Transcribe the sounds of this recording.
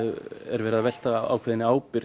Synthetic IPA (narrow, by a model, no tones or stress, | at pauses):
ɛɾvɛːɾɪðavɛl̥t̪aa̰wkʰvɛːðɪnɪaːwpɪɾ̥